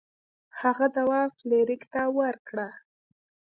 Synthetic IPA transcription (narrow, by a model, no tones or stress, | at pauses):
haɣad̪awɑfleɾɪkt̪awəɾkɽa